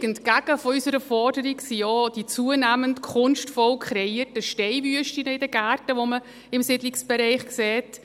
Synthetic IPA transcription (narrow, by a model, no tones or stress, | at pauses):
ɡ̥əntɡ̥aɡ̥əfɔysəɾəfɔrdəɾiksijɔd̥it͡suənæːməntkʰʊnʃtfɔlkʰχɾɛiəɾtəʃtɛɪvyəʃtinəɪdəɡæːrtəʋomə | ɪmsɪdlɪksb̥ɛɾɛɪχksɛːt